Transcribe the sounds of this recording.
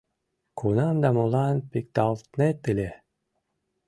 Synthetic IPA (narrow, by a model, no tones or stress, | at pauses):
kʰunamd̪amulˠanpik̚t̪alˠt̪net̪ːilʲe